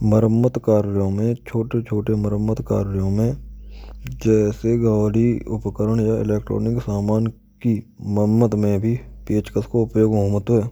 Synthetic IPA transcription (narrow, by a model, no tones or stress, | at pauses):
məɾəmːət̪kaːɾjõmẽt͡ʃʰoːʈet͡ʃʰoːʈeməɾəmːət̪ka̰ːɾjõmẽ | d͡ʒɛːseɡaːɽiʊpkəɾəɳ̃jaɪ̰lɛːkʈɾo̰ːnɪksaːmaːn | kiməɾəmːət̪mẽbʱipeːt͡ʃkəskoʊpjoːɡɦõmət̪oɛː